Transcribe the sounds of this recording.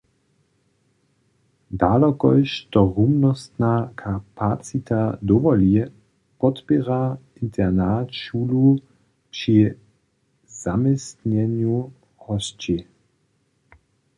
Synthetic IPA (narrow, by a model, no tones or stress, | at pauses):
d̪aːlɔkɔjʃt̪ɔʁumnɔst̪nakʰapat͡sit̪ad̪ɔvɔli | pɔt̪pɛʁa | int̪ʰɛʁnatʃuːlu | pʃi | z̥amɛst̪ɲɛɲju | hɔst͡ʃi